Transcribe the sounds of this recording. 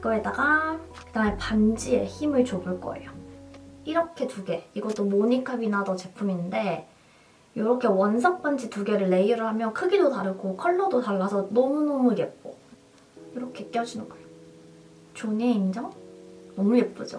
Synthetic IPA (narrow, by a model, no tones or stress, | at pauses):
k͈ʌedaɡakɯdaŋepand͡ʑie̞̰çimɯɭt͡ɕobɯɭk͈ʌ̰e̞̰jo | iɾʌkʰe̞tuɡe̞iɡʌt͈omoɲikʰabinadʌt͡ɕe̞pʰuminde̞ | joɾʌkʰe̞wʌnsʰʌk̚p͈and͡ʑituɡe̞ɾɯɭːe̞iɾɯɭhamjʌnkʰɯɡidotaɾɯɡokʰʌɭːʌdotaɭːasʰʌnʌmunʌmuje̞p̚k͈o̰ | jiɾʌkʰe̞k͈jʌd͡ʑinɯnɡʌejjo | t͡ɕoɲeind͡ʑʌŋnʌmukep͈od͡ʑo̰